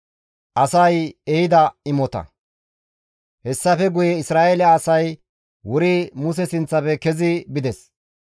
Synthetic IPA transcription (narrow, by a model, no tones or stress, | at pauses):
ʔɐsɐjɛhɪd̪ɐɪmɔt̪ɐ̰ | hɛsːɐfɛɡʊjɛɪsɾaːʔelɛːsɐj | wʊɾɪmʊs̬ɛsɪnt͡sːɐpɛkɛzɪbɪd̪ɛs